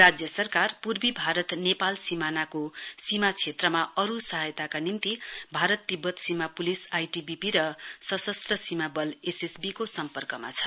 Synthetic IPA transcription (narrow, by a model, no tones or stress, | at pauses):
rad͡zjʌsʌrkarpurbibʱaɾʌt̪nepalsimanakosimat͡sʰet̪rʌmaʌɾusʌɦajt̪akanimt̪ibʱaɾʌt̪ːibʌt̪simapulisajʈibipiɾʌsʌsʌst̪rʌsimabʌlesesbikosʌmpʌrkʌma̰t͡sʰʌ̥